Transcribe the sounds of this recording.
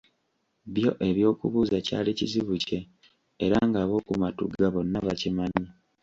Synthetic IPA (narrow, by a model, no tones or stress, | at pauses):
βjo̞̰ʔe̞βjo̞ːkuβuːzaca̰ːliciziβuce̞ː | ɾaŋɡaβo̞ːkumatṵɡaβo̞nːaβacimaɲi